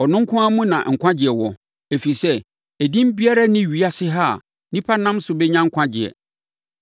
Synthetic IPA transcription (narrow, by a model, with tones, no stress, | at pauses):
ɔ˨nʊ̃˦ŋ̩˦kʰʊ̃˦a˦mũ˦nã̰˨ŋ̩˨kʷʰã˦d͡ʑɪ˨ɛ˨wɔ˨ | e˨fi˨sɛ˦ | æ˨dĩ˦m˦bi˦a˦ɾa˦nɪ̃˦˨ɥi˨a˦sɪ˦ɦa˦˨a̰˨ | nĩ˦pʰa˦nã˦msʊ˨bɛ˦ɲã˦ŋ̩˦kʰʷã˦d͡ʑɪ̰˨ɛ̰˨